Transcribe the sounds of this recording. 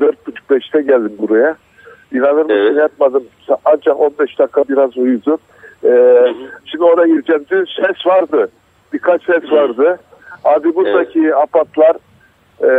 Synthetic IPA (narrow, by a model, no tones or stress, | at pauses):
d̪øɾt̪̚but͡ʃʰu̥k̚bɛʃt̪ʰɛɟælʲd̪imbuɾaja | inanɯɾmɯʃɯnjap̚mad̪ɯmsaand͡ʒako̞nbɛʃd̪akʰːabiɾazujud̪u | ɛːʃimd̪ioɾaɟiɾd͡ʒɛmd̪ysɛsvaɾd̪ɯ | b̥ikʰat͡ʃsɛsvaɾd̪ɯ | ad̪ibuɾd̪acʰiapat̪lˠaɾ